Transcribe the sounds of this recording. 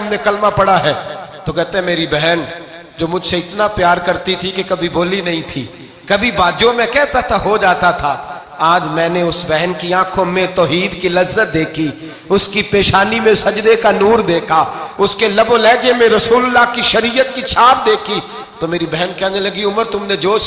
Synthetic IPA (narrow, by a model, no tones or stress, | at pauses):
mnekɐlmapɐɽaɦɛːt̪okɛɦt̪ẽɦɛ̃meːɾibɛɦɛn | d͡ʒoːmʊd͡ʒʱseɪt̪napjaːɾkɐɾt̪it̪ʰikekɐbʱiboːlinɐɦĩt̪ʰḭː | kɐbʱibaːd͡ʒjõmẽkɛɦt̪at̪ʰaɦod͡ʒaːt̪at̪ʰa | aːd͡ʒmɛ̃ːneʊsbɛɦɛnkiãːkʰõmẽt̪ɔːɦiːd̪kilɐzːət̪̚d̪eːkʰi | ʊskipeːʃaːnimẽsɐd͡ʒd̪ekanuːɾd̪eːkʰaʊskelɐboːlɛːd͡ʒemẽɾɐsuːllːakiʃɐɾijət̪̚kit͡ʃʰaːpd̪eːkʰi | t̪omeːɾibɛɦnkɛːnelɐɡiʊməɾt̪ʊmned͡ʒoː